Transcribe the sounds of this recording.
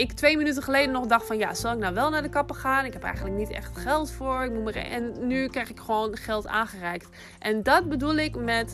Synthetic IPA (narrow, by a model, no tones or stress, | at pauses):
ɪktʋejmənytənχəlejdənɔχdɑχtfɑnja̰z̥ɑlˠɪknawʋɛlˠnaːɹdəkɑpəχaːnɪkɦɛpɛ̰jχəndlək̚nitɛ̰χtχɛlˠtfʊːɹɪk̚mumər̰ɛnːykrɛjxɪkχəʋoːnχɛlˠta̰ːnχərɛjk̚t | ʔɛndɑt̚bədulˠɪkmɛt